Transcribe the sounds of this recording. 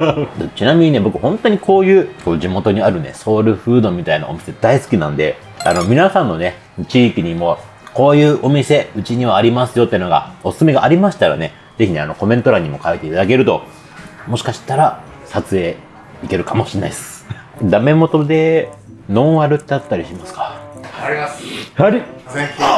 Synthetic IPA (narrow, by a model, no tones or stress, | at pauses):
t̪ot͡ɕinamʲiɲ̟ine̞bo̞kɯ̟hõ̞nt̪o̞ɲ̟ikʰo̞ːjɯ̟ːko̞ːd͡ʑimo̞t̪o̞ɲ̟iaɾɯ̟ne̞̰so̞ːɾɯ̟ɸɯ̟ːd̪o̞mʲit̪aina̰omʲi̥se̞d̪aisɨ̥kʲinãnd̪e̞ | a̰no̞mʲinasãnːo̞ne̞ | t͡ɕiːkʲiɲ̟imo̞ | ko̞ːjɯ̟ːʔo̞mʲise̞ɯ̟t͡ɕiɲ̟iβaːɾʲimasɨjo̞t̪eno̞ɡa̰o̞sɨ̥sɨme̞ɡaʔːɾʲimaɕi̥t̪aɾa̰ne̞ | d͡ze̞çʲine̞ano̞ko̞mẽ̞nt̪o̞ɾaɲ̟imo̞kait̪e̞it̪ad̪ake̞ɾɯ̟t̪o̞ | mo̞ɕi̥kaɕi̥t̪aɾa | sat͡sɨe̞ː | ike̞ɾɯ̟kamo̞ɕinaisɨ̥ | d̪ame̞mo̞t̪o̞d̪e̞ | nõ̞ɰ̃βaɾɯ̟t̪ːeat̪ːaɾʲiɕimasɨ̥kḁ | haɾʲi